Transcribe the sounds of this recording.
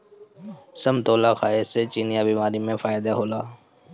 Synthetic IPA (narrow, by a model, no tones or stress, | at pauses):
səmt̪oːlaːxʰaːeseːt͡ʃiːnjaːbiːmaːɾiːmẽːfaːɪd̪aːɦoːlaː